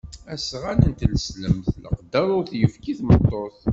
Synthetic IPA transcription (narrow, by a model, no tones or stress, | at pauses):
æsʁænənt̪ləsləmθlə̰qd̪ɑɾˤʊɾθjəfkiθmət̪ˤːoθ